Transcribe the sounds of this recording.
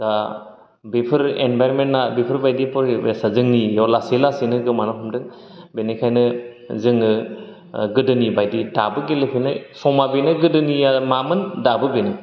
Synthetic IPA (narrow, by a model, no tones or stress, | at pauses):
z̥a | bipʰɯɾḛnbajɾmennabipʰɯɾbajdipɔɾbesazɯŋnijɔlasilasinɯɡɯmanɔɦɔmdɯŋ | benekʰajnɯ | zɯŋɯ | ɡɯdɯnibajdidabɯɡelepʰina̰jsɔmabinɯɡɯdɯniamamɯndabɯbinɯ